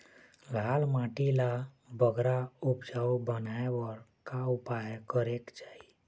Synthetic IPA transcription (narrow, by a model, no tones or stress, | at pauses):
lʱaːlmãʈila | bəɡɾaupd͡ʒawbənaewɔɾkaupajkəɾekt͡ʃai